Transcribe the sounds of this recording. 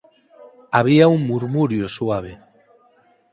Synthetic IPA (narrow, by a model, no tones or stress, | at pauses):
aβ̞iauŋmuɾmuɾjosuaβ̞e